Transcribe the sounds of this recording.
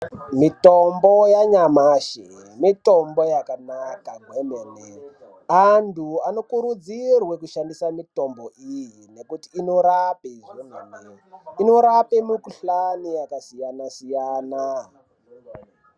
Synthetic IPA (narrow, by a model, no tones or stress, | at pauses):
mitombo̞jaɲamaʃemitombojakanakaɡʱwemene | antʰuano̞kuɾud͡zirwe̞kuʃandisamitomboʔijine̞kutiːno̞ɾapeʒemene | ino̞ɾapemukuɬanijakasijanasijaːna